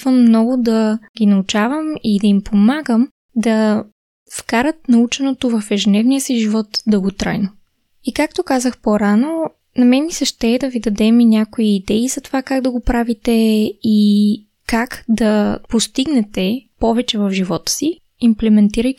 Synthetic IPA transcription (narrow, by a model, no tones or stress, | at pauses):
vəmːnɔɡʊd̪ɐɡʲinɐut͡ʃavəmid̪ɐimpʰomaɡəm | d̪ɐ | fkaɾət̪̚nɐut͡ʃɛnot̪ovɐfɛʒɛnɛvnijəsiʒivɔt̪d̪ɐɡot̪ɾa̰jno | ikak̚t̪okazəxpoɾano | nɐmɛmisɐʃt̪ɛːd̪ɐvid̪ɐd̪ɛminʲakoiːd̪ɛizɐt̪ovakaɡd̪ɐɡopɾavit̪ɛi | kakd̪ɐpost̪iɡnɛt̪ɛpɔvɛt͡ʃɛvɐfʒivɔt̪ə̥si | implɛmɛnt̪iɾəj